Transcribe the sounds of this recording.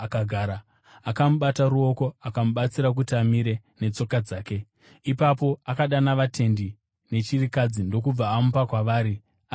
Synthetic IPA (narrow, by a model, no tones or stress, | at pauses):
akaɡʱaːɾa | akamuɓataɾuo̞ko̞akamuɓat͡siɾak̬utiamiɾe̞ne̞t͡so̞kad͡zaːke̞ | ipapo̞akaɗanaʋatʰe̞ndi | ne̞t͡ʃirikad͡zindo̞kub͡vaːmupakwaʋaːɾi | a